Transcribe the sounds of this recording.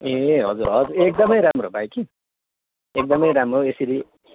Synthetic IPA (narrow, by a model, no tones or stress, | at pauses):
eɦʌd͡zurɦʌd͡zuɾek̚d̪ʌmʌjɾamrobajki | ek̚d̪ʌmʌjɾamroesiɾi